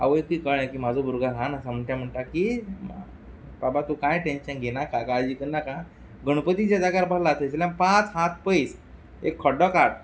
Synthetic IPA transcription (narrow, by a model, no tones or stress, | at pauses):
a̰ʋəjkiːkəãkiːm̤ad͡zobuɾɡalɦãnasam̤əɳt̪jãm̤əɳt̪aki | babat̪ukajʈẽnɕənɡʱenakakad͡ʑiːkənaka | ɡəɽ̃upət̪id͡ʑjad͡zaɡaɾbalat̪eslãmpãt͡sɦat̪̚pəis | ekʰːɔɖɔkaʈ̚